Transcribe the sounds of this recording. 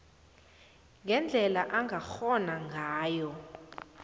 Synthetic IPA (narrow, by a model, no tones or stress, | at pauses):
ŋʱɛnd͡ɮʱɛlaʔaŋɡʱaxɔnaŋɡʱaːjɔ